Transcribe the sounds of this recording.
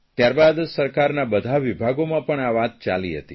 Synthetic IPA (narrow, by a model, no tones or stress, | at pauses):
t̪jaɾbad̪səɾkaɾnabəd̪ʱaʋibʱaɡomãpəɳaʋat̪̚t͡ʃa̰lḭɦə̰t̪i